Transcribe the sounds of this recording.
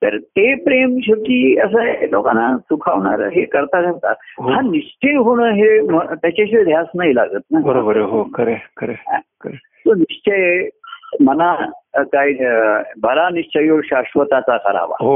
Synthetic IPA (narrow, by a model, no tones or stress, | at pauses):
t̪əɾt̪epɾemɕokiːəs̬əloka̰nasukʰaʋɳa̰ɾəɦekəɾt̪ad͡zat̪a̰ɦɦãniʂt͡ɕʰejɦuɳəɦemət̪jat͡ɕaɕed̪ʱjasnaila̰ɡəːt̪̚nabəɾobəɾeɦokəɾekəɾeãkəɾe | t̪oniʂt͡ɕəj | mənakaibʱəɾaniʂt͡ɕʰəjoɕaʂʋət̪at͡sakəɾa̰ʋa̰ɦo